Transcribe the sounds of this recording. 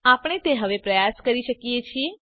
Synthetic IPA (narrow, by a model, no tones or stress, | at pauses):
apɽ̃et̪eɦəʋepɾəjaskəɾiʃəkiet͡ʃʰie